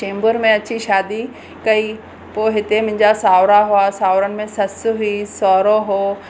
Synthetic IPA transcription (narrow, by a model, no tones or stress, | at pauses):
t͡ɕẽːmbəɾmẽɐt͡ɕiʃaːd̪i | kɐi | poːɦɪt̪emʊ̃ɦɪ̃ɲd͡ʑasaːʋɾaɦʊasaːʋɾənɪ̆mẽsɐsɦisɔːɾoɦoː